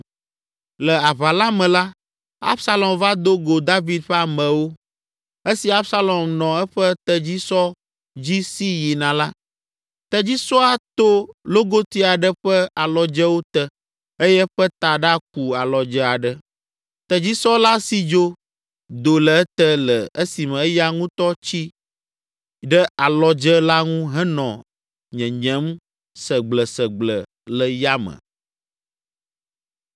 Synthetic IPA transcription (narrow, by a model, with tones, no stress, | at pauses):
lɛ˨a˨βa˨la˦mɛ̃˨la˦ | a̰˦bsa˦lɔ˨mva˦d̪o˦ɡo˨d̪a˦vi˨d̪̚ɸɛ˦a˨mə̃˨wo˦ | e˦si˨a˦bsa˦lɔ˨mnɔ̃˨ɛ˦ɸə˦t̪ə˨d͡ʑi˦sɔ˦ | d͡ʑi˦si˦ji˨nã˨la˦ | t̪ɛ˨d͡ʑi˦sɔ˦a˨t̪o˦lo˦ɡo˦t̪i˦a˨ɖə˦ɸɛ˦a˨lɔ˨d͡ʒɛ˦wo˦t̪ɛ˨ | e˦jɛ˦ɸə˦t̪a˨ɖa˦k̚u˨a˨lɔ˨d͡ʒɛ˦a˨ɖə˦ | t̪ɛ˨d͡ʑi˦sɔ˦la˦si˨d͡ʒo˦ | d̪o˨lə˨ɛ˦t̪ə˦lə˨ə˦si˨mə̃˨˦ja˦ŋũ˦t̪ɔ˦t͡ɕi˦ | ɖɛ˦ʔa˨lɔ˦d͡ʒə˦la˦ŋũ˦ɦɛ˦nɔ̃˨ | ɲɛ̃˨ɲɛ̃˦m | sə˨ɡ͡blə˨sə˨ɡ͡blə˨ | lə˨ja˦mə̰̃˨